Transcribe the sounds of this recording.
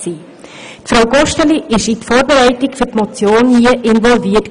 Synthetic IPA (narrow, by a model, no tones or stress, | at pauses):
siː | tfɾawɡɔʃtəliʔɪʃitfɔːɾbeɾɛɪtɪkfɵtmɔt͡sjoːnhiəʔɪnvɔlviət